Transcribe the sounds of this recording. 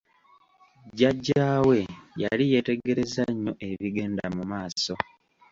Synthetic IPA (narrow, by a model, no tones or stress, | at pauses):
ɟaɟːaːwe̞jalije̞te̞ɡe̞ɾe̞zaɲːo̞ʔe̞βiɡe̞ːndamumaːso̞